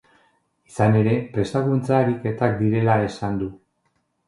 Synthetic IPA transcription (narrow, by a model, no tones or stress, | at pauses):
isane̞ɾe̞pɾe̞st̪aɣunt͡saeɾike̞t̪ak̚d̪iɾe̞lae̞sand̪u